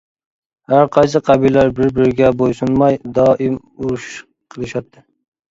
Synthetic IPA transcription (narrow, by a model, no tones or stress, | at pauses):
haɾqʰɑjs̬ɨqʰɑbilːaɾbɪɾbɪɾɡʲɛbojsunmɑjd̪ɑːʔɪm | uɾʃ | qʰəlˠɪʃɑt̚t̪ʰːɪ